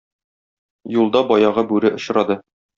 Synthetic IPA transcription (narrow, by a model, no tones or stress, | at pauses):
julˠd̪ɑbɒjɑʁɤbʉɾɘʔŏɕɾɑd̪ɤ